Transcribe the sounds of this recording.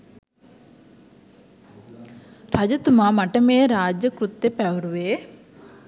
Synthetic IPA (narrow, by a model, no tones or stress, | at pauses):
ɾad͡ʒɐt̪umamɐʈɐmeːɾaːd͡ʒjɐkɾut̪ːepɛʋɐɾuʋeː